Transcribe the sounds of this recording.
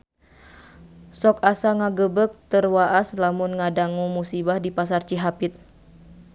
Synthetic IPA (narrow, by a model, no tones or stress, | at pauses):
sɔk̚asaŋaɡəbək̚t̪ərwaʔaslamunŋadaŋumusibahdipas̬art͡ʃiɦapɪt̪̚